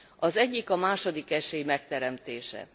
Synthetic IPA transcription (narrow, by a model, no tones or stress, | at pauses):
ɒzɛɟːikɒmaːʃo̞d̪ikɛʃeːjimɛkt̪ɛɾɛmt̪eːʃɛ̰